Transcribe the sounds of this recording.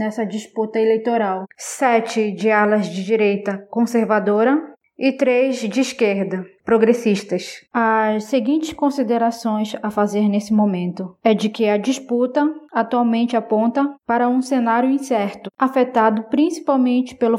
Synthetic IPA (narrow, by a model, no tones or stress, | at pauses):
nɛsɐd͡ʒisput̪ɐelejt̪oɾawsɛt͡ʃɪd͡ʒɪalɐzd͡ʒɪd͡ʒiɾejt̪ɐkõseɾvad̪oɾɐ | ɪt̪ɾezd͡ʒɪːʃkeɾd̪ɐpɾoɡɾesiʃt̪ɐsɐsseɡĩnt͡ʃɪskõsid̪eɾasõj̃sɐfazeɾnesɪmõmẽnt̪ʊɛd͡ʒɪkɪɐd͡ʒisput̪ɐat̪uawmẽnt͡ʃɪapõnt̪ɐpaɾɐũsenaɾjʊĩsɛɾt̪ʊafet̪ad̪ʊpɾĩsi̥pawmẽnt͡ʃɪ̥pelʊ